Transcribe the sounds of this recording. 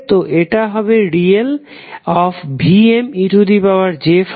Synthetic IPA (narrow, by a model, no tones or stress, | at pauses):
t̪oʔeʈaɦɔbeɾiel | ɔfbʱiemiʈud̪ipaoaɾd͡ʑef